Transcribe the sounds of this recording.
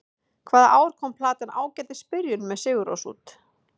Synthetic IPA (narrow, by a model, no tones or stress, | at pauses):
kʰvaːðaʔaːwɾ̥kʰɔwmpʰlaːt̪ɪnaːwcɛːt̪ɪ̥spɪɾjʏnmɛðsɪːɣʏɾo̰wsṵːt̪